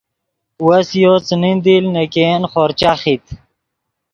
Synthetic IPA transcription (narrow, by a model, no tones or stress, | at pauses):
wɐsjoːt͡snind̪ilnekenχoɾt͡ɕaχit̪